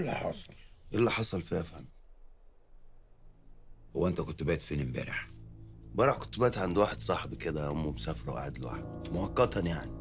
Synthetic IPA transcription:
lːæħɑ̰sˤɑlʔɪlːæħɑsˤɑlfiæfæn | howæʔent̪ækʊt̪ːbæːt̪finimbæ̰ːɾeħ | bæːɾeħkʊ̥t̪ːʊbæːt̪ʕand̪waːħed̪sˤɑħbked̪æʔʊmːumsæfɑɾˤwʔa̰ʕad̪lwa̰ːħed̪̚mʊhɑkːɑt̪ɑnjaʕni

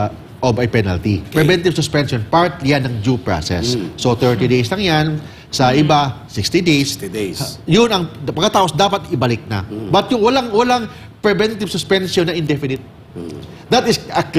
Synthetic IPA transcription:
ʔobɐjpɛnɐ̰lt̪ipɹɛvɛnt̪ɪbsʊspɛnsonpaɹt̪lijanːɐŋd͡ʒupɹa̰sɛ̰sːot̪ɛɹt̪id̪ejslɐŋjan | sɐʔɪbasɪkst̪id̪ejs | jʊnɐŋpɐɡkɐt̪aːpo̞sd̪aːpɐt̪ʔɪbɐlɪk̚nɐ̰bɐt̪̚jʊŋwɐlaŋwɐlaŋ | pɹɛvɛnt̪ɪbsʊspɛnsonːɐʔɪnd̪ɛfɪnɪt̪̚ | d̪ɐt̪ɪsɐk

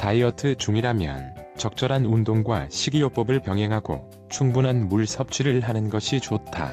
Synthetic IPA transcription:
taiʌtʰɯt͡ɕuŋiɾɦamjʌ̰nt͡ɕʌk̚t͡ɕ͈ʌɾɦanundoŋɡwaɕʰiɡijop͈ʌbɯɭpjʌŋɦeŋɦaɡo̰ | t͡ɕʰuŋbunɦanmuɭsʰʌp̚t͡ɕʰiɾɯɭɦanɯnɡʌɕʰit͡ɕotʰa̰

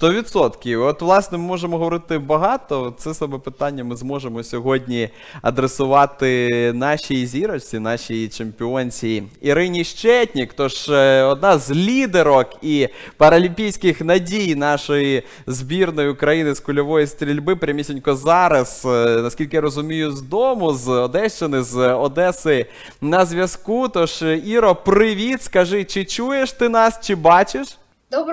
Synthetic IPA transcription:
st̪ɔʋʲit̪sɔt̪kʲɪɔt̪ʋlˠɑsnɛmɪmɔʒemɔɦɔʋɔɾɪt̪ɪbɐɦɑt̪ɔt̪sɛsɐbɛpɪt̪anʲːɐmɪzmɔʒemɔsʲɔɦɔdʲnʲi | ɐ̰d̪ɾesʊʋɑt̪ɪn̪ɑʃʲijizʲiɾɔsʲinɑʃʲijit͡ʃempʲɪɔnʲsʲijiɾɪnʲiʃt͡ʃɛtʲnʲikt̪ɔʒɔd̪nɑzʲlʲid̪eɾɔkipɐɾɐlʲimʲpʲijsʲkɪxnɐdʲijnɑʃɔji | zbʲirnɔjʊkɾɐjinɪskʊlʲɔʋɔjist̪ɾʲilʲbɪpɾʲɐmʲisʲinʲkɔzɑɾɐsnɐsʲkʲilʲkɪjaɾɔzʊmʲijʊzd̪ɔmʊzɔd̪ɛʃt͡ʃenɪzɔd̪ɛsɪ | nɐzʲʋʲjɐskut̪ɔʃiɾɔpɾɪʋʲit̪skɐʒɪt͡ʃɪt͡ʃujeʃt̪ɪnɑst͡ʃɪbɑt͡ʃɪʃ

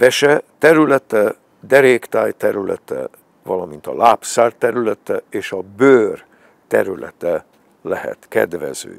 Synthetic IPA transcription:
vɛʃɛt̪ɛɾylɛt̪ɛ | d̪ɛɾeːkt̪aːjt̪ɛɾylɛ̰t̪ɛ̰ | vɒlɒmint̪ɒlaːpsaːrt̪ːɛɾylɛt̪ɛeːʃɒbøːr | t̪ɛ̰ɾylʔɛ̰t̪ɛ | lɛɦɛ̰t̪kɛ̰d̪vɛ̰zø̰ː

